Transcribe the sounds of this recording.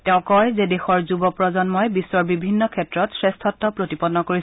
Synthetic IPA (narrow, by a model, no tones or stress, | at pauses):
teʊ̃kɔjzedexɔɹzubɔpɹɔzɔnmɔjbisːɔɹbibʱinːɔkʰɛtɹɔtsɹestʰɔtːɔpɹotipɔnːɔkoɹi